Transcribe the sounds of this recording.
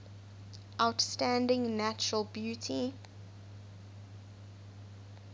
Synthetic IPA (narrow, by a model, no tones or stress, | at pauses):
ʔaʊtstæ̃ndɪ̃ŋnæt͡ʃəɹəlˠbjutʰi